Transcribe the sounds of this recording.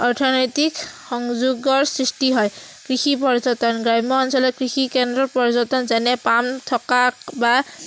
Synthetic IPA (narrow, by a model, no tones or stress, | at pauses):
ɔɹtʰɔnɔjtikxɔŋzuɡɔɹsɹistiɦɔj | kɹixipɔɹzɔtɔnɡɹajmɔːnsɔlɔkɹixikɛndɹɔɹpɔɹzɔtɔnzɛnɛpamt̪ʰɔkakba